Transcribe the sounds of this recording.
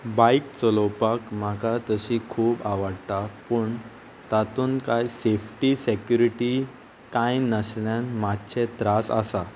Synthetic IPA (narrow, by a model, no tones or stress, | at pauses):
baikt͡sɔlopakm̤akat̪əɕikʰuːbaʋəɽt̪apəɳ | t̪at̪uːnkajsefʰʈisekjuɾiʈi | kãjnəsljãnmatt͡ɕʰet̪ɾasa̰sa